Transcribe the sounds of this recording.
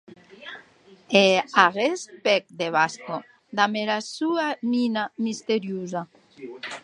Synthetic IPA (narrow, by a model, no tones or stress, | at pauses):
eaɣespek̚d̪eβasko | d̪ameɾasuaminamist̪eɾjuza